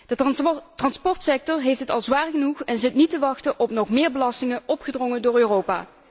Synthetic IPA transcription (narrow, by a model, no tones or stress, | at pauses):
dətrɑnspɔɹtsɛk̚tɔɹɦejftɦətɑ̰lˠzʋaːrɣənuχɛnzɪtnitəʋɑxtəʔɔpnɔχmɪːɹbəlɑstɪŋəɔpχədrɔŋəndʊːɹøːrowpa̰ː